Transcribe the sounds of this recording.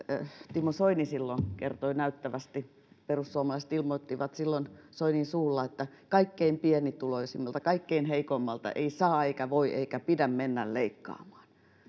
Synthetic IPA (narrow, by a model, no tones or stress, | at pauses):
t̪imːosoinisilːonkḛrt̪oinæyt̪ːæʋæst̪i | perussuomɑlɑˑist̪ilmot̪ːiʋɑt̪silːonsoininsuːlːɑet̪ːæ | kɑikːeimpienit̪uloisimːɑlt̪ɑkɑikːeinheikomːɑlt̪ɑ̰ʔḛisɑːeikæʋoiʔḛikæpidæmmenːælleikːɑ̰ːmɑ̥ːn